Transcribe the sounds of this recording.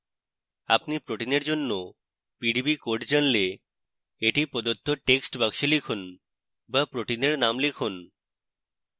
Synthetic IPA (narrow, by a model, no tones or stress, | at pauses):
a̰pnipɾoʈineɾd͡ʑonːo | piɖibikoʈd͡ʑanle | eʈipɔd̪ot̪ʰːoʈeksʈbakʃelikʰun | bapɾoʈineɾnamlikʰun